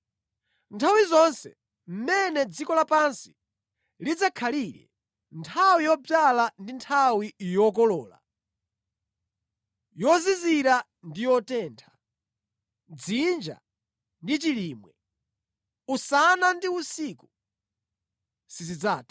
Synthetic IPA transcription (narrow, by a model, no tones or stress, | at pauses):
ntʰawizɔnsɛ̰ | m̩mɛnɛd͡zikɔlapansi̥ | lid͡zakʰaliɾɛ̰ | ntʰawijɔb͡valandintʰawijɔk̬ɔlɔːla̰ | jɔziziɾa | ndijɔtɛːntʰḁ | d͡zind͡ʒa̰ | ndit͡ʃiliːmwɛ | usanandiusiku | sizid͡zaːti̥